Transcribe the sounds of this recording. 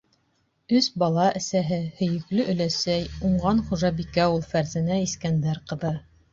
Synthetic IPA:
ɵsbɑlˠɑʔɘ̆sæɦɘhɵ̆jɘ̆klɵʔɵ̆læsæjuɴɢɑnχuʒɑbikæulˠfæɾzænæiskænd̪æɾqɤ̆ðɤ

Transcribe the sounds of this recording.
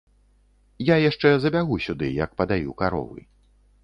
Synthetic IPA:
jajaʂt͡ʂɛzɐbʲaɣusʲud̪ɨjɐk̚pɐd̪ajukaɾɔ̰vɨ̰

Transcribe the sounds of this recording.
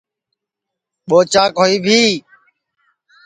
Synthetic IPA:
ɓoːt͡ʃãːkɦoːiːbʱiː

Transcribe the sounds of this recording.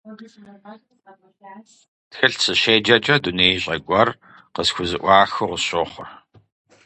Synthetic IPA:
txɨɬsʰɨɕeːd͡ʒɐd͡ʒʼɐduneːjɕʼɐɡʷʼɔr | qəsxʷʊzɨʔʷɑːxɨʁʊɕoːχʷʊ̰r

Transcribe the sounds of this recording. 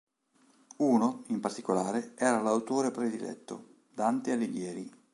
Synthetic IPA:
uːnoimpart̪ikolaːɾeɛːɾalawt̪oːɾepɾed̪ilɛ̰t̪ːo̰ | d̪ant̪ealːeɡjɛːɾi

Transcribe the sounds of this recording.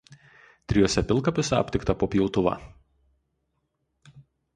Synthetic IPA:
t̪ʲɾʲɪjoːsʲɛpʲɪlˠkɐˑpʲɪsʲɛɐ̰pʲt̪ʲɪkt̪ɐpoːpʲjɛʊt̪ʊʋɑ̰ː

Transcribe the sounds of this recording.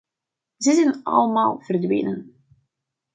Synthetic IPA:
zəzɛnɑ̰lˠəmaːlˠv̥ərdʋḛːnən

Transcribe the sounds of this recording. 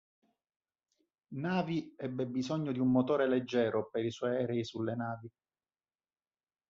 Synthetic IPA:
naːviɛbːebizɔɲːod̪iumːot̪oːɾeled͡ʒːɛːɾopeɾiswɔjɛːɾeisulːenaːvi

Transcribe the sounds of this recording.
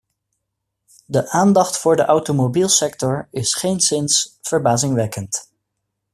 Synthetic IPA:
dəʔaːndɑχtfʊːɹdəʔawtomobiːlˠsɛk̚tɔɹɪsχejnsɪnsfəɹbaːzɪŋʋɛkənt

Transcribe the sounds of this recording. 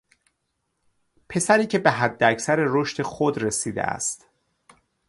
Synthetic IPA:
pʰe̞sæɾiːcʰe̞beɦæd̪ːeæcʰsæɾeroʃt̪ʰe̞xod̪re̞siːd̪ḛʔæ̰st̪

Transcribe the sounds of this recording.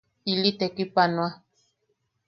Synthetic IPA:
ilit̪ekipanwa

